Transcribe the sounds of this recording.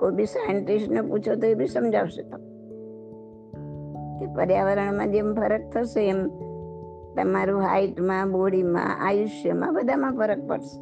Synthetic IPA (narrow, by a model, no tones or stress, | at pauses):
koibʱisajəɳʈisʈnəput͡ʃʰot̪oebʱisəmd͡ʒʱaʋʃet̪o | kepəɾjaʋəɾəɳmãd̪emfəɾək̚t̪ʰəʃeːm | t̪əmaɾũɦa̰iʈmãboɽimã̰ʔa̰jʊʃjəmã̰bəd̪ʱamãfəɾək̚pə̰ɽʃe̥